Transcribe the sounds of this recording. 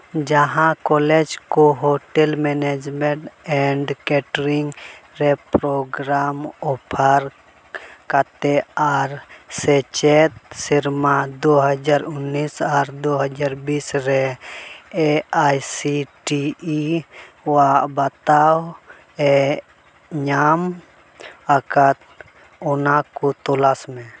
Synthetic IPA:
d͡ʒaɦãkɔled͡ʒkoɦoʈɛlmɛned͡ʒmɛʈɛɳɖkɛʈɾiŋɡɾɛpɾoɡɾamɔpʰəɾ | kat̪ɛaɾsɛt͡ʃɛt̪̚siɾmad̪oɦəd͡ʒaɾʊnːisaɾd̪oɦəd͡ʒaɾbisɾɛ | eajsiʈii | wabat̪aw | ɛ | ɲam | akat̪̚ | ɔnakut̪ɔlasmɛ̃

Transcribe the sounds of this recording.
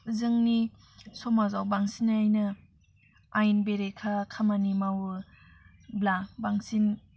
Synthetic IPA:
zɯŋni | sɔmazawbaŋsinajnɯ | ajnbeɾekʰakʰamanimawɯ | blabaŋsin

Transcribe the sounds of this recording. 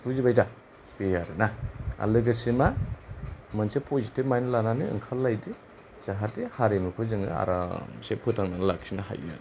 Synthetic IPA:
puzibajda | pejaɾɯnaa̰lɯɡasima | mɯnsepʰozitip̚majnɯlananɯɯ̰ŋkʰalːajdi | z̥aɦatihaɾemɯkʰɯzɯŋɯ̰a̰ɾa̰sepʰɯtaŋnanlaksinaha̰ja̰ɾ

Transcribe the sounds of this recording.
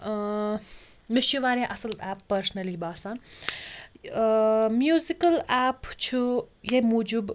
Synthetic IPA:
mɪʃuʋaːɾẽʔɐsɐlaːpːɐɾsnɐlibaːsãn | mjuːzikɐlaːpt͡ʃʰujemuːd͡ʒub

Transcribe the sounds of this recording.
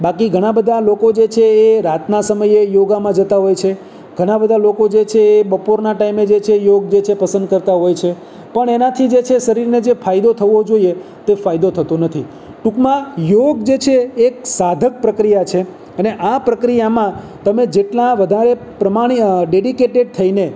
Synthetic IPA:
bakiɡʱəɽ̃ãbəd̪ʱalokod͡ʒet͡ʃʰeːɾat̪nasəməjejoɡamãd͡ʒət̪aɦojt͡ʃʰe | ɡʱəɽ̃ãbəd̪ʱalokod͡ʒet͡ʃʰeːbəpoɾnaʈaimed͡ʒet͡ʃʰejoɡ̚d͡ʒet͡ʃʰepəsə̃nd̪̚kəɾt̪aɦojt͡ʃʰe | pəɳenat̪ʰid͡ʒet͡ʃʰeʃəɾiɾned͡ʒefajd̪ot̪ʰəʋod͡ʒoie | t̪efajd̪ot̪ʰət̪onət̪ʰi | ʈukmãjoɡd͡ʒet͡ʃʰeːk̚sad̪ʱək̚pɾəkɾijat͡ʃʰe | əneʔapɾəkɾijamã | t̪əmed͡ʒeʈlãʋəd̪ʱaɾe | pɾəmaɽ̃iɖeɖikeʈeɖ̚t̪ʰəine

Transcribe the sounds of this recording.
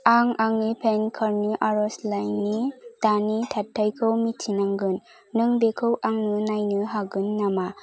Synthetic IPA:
aŋaŋnipʰenkʰaɾniʔaɾɔslajnitanitʰatʰːajkʰɯwmitʰinaŋɡɯnː | ɯŋbekʰɯwʔaŋnɯnajnɯɦaɡɯnːama

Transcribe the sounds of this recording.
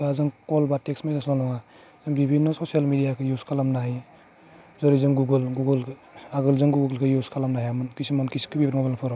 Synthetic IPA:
azɯŋkɔlbateksmadasalɔŋa | z̥ɯŋbibʱinːɔsosialmidijakʰɯjuskʰalamnaɦi | zɔɾizɯŋɡuɡɯlɡuɡɯlaɡɯlzɯŋɡuɡɯɡlkʰɯjuskʰalamnaɦijamɯnkisimankisi̥kɯbibɾmɔbanapʰɔɾɔ

